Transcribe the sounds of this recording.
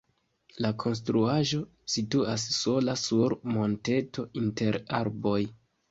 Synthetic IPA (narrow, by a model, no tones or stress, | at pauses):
lakʰo̞ns̬tɾuaʒo̞ | situas̬ːo̞lasuɾmo̞nte̞tʰo̞inte̞ɾa̰ɾbo̞j